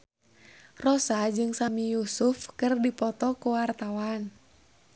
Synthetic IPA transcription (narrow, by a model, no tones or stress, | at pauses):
rɔsad͡ʒɨŋsamijusufkɨrdipɔt̪ɔkuwart̪awan